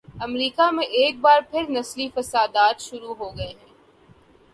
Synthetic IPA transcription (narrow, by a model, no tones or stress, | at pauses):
ɐmɾiːkamẽʔeːk̚baːɾpʰɪɾnɐslifɐsaːd̪aːt̪ʃʊɾuɦoɡɐeɦɛ̃ː